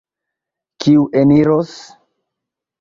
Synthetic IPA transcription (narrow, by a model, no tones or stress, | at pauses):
kiuʔeniɾos